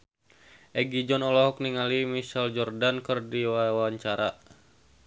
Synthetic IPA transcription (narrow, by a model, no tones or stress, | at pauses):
ʔɛɡid͡ʒɔnɔlɔɦɔk̚niŋalimisald͡ʒɔrdankɨrdiwawaɲt͡ʃaɾa